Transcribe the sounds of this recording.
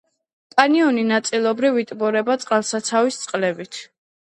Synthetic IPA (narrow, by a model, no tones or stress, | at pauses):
pʼaniɔninat̪sʼilˠɔbɾivit̪ʼbɔɾɛbat̪sʼqʼalˠsat̪sʰavist̪sʼqʼlɛbit̪ʰ